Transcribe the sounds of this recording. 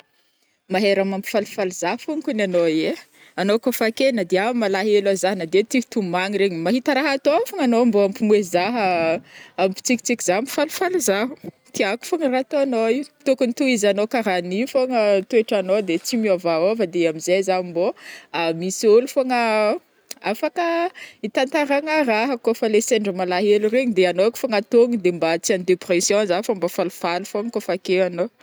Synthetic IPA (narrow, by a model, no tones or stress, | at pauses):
maɦeɾamampi̥falufalizafuŋkunanoe | anokofakenəd̪eamalaɦelazaɦnad̪et̪i̥t̪umaŋiɾeɲimaɦit̪əɾaɦat̪oafoŋanomboampimwezaɦə | ampi̥t͡siki̥t͡sikizampi̥falufalizaɦu̥ | t̪iaku̥foŋərat̪oanoiut̪ukunit̪uizanokaɾanifoŋət̪ueʈ͡ʂanod̪et͡simiavaovəd̪eamizezaimboamisolufoŋə | afakəit̪ant̪aɾaŋəraɦəkofəleseɳɖ͡ʐəmalaɦelureɲid̪eanoku̥foŋat̪oŋid̪embat͡sianid̪epresjɔ̃zafambafalufalufoŋəkofakeano